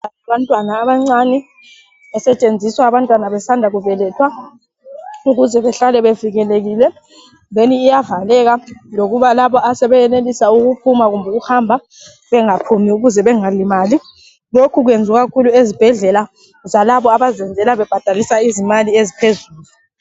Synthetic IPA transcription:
aaβantʼwanaːβaŋ͡ǀanɛ | ɛsɛt͡ʃʼend͡zʱiswaːβantʼwanaβɛsandʱaɣuvɛlɛtʰwa | uɣuzɛβɛɬalɛβeviɣɛleɣiːlɛ | deniːjavalɛɣaloɣuβalaβɔasɛβɛjɛnelisauɣupʰumaɣumbʱuɣuhambʱa | βɛŋapʰumiuɣuzɛβɛŋalimaːli | lokʰuɣuend͡zʱuɣakʰuluezib̥ʱɛɮɛla | zalaβɔaβazɛnd͡zʱɛlaβɛb̥ʱad̥ʱalisaizimaliezipʰezuːlu

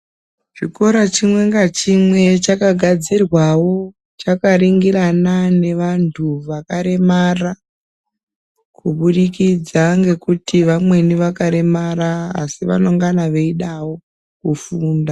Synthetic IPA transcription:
ʐiko̞ɾat͡ʃimwe̞ŋɡat͡ʃimwe̞t͡ʃakaɡʱad͡zirwawo̞ | t͡ʃakaɾiŋɡiranane̞ʋantʰuʋakaɾe̞mara | kuɓuɗikid͡zaŋɡe̞kutiʋamwe̞niʋakaɾe̞maɾa̰ːsiʋa̰no̞ŋɡanaʋe̞iɗawo̞ | kufuːnda

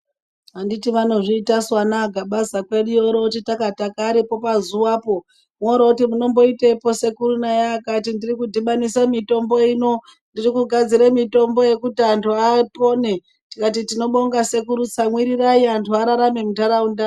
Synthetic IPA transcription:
anditiʋano̞ʐiːtaswanaɡʱaɓasakwe̞ɗujoɾoutitakatakaɾipo̞pazuwaːpo̞ | moɾoutimuno̞mbo̞itepo̞se̞kuɾunajaːkatindirikudʱiɓanisamito̞mbo̞iːno̞ | ndirikuɡʱad͡ziɾemito̞mbo̞je̞kutiantʰuapo̞ne | tikat̬itino̞ɓo̞ŋɡase̞kuɾut͡samwiɾiraiantʰuaɾaɾamemutaɾaunda

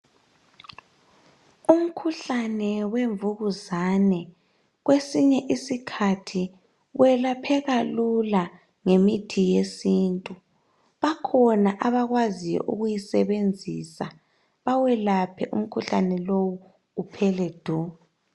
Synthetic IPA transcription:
um̩kʰuɬanɛweɱvuɣuzanɛ | ɣwesiɲɛʔisikʰatʰi | wʔɛlapʰɛɣalula | ŋemitʰijesiːntʼu | βakʰɔnaʔaβaɣwazijɔ̰ʔṵɣujisɛβend͡zʱisa | βawɛlapʰɛʔṵm̩kʰuɬanɛlowuː | pʰɛlɛd̥ʱu

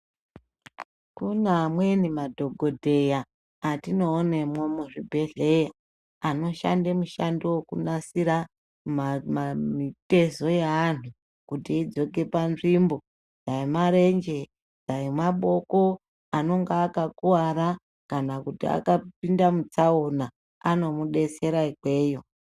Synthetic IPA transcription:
kunamwe̞nimadʱo̞ɡʱodʱe̞jaː | tino̞ːnemwomuʐibʱe̞ɮe̞ja | ano̞ʃa̰ndemuʃandiwokunasiɾa | mmmite̞zo̞jeanu | kutiid͡zo̞ke̞panʐimbo̞ | d͡zaemaɾe̞nd͡ʒe̞ | d͡zajemaɓo̞ko̞ | ano̞ŋɡaːkakuwaɾa | kanakutḭa̰kap̚indamut͡saona | ano̞muɗe̞se̞ɾaikwe̞ːjo̞

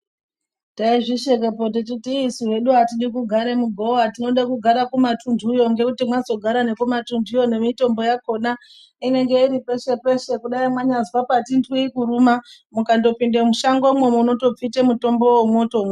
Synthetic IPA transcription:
taiʐiʃekepot̬it̬itiːsuɦe̞ɗuɦatiɗikuɡʱaɾe̞muɡʱowatino̞ɗakuɡʱaɾakumatundʱujo̞ŋɡe̞kutimwazo̞ɡʱaɾane̞kumatunduijo̞ne̞mito̞mbo̞jako̞na | ine̞ŋɡe̞iɾipe̞ʃe̞pe̞ʃe̞kuɗaimwaɲazwapatindwiːkurumamukando̞pindemuʃaŋɡo̞mwemunoto̞p͡fitemuto̞mbo̞wemwo̞ːtom

